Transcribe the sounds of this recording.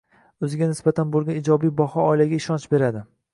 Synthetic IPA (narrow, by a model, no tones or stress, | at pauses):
ɵzɪɡʲanɪsbat̪ʰanbolˠɡʲanid͡ʒɒbijbɒhɒːɪlaɡʲaɪʃɒnt͡ʃbe̞ɾad̪ɪ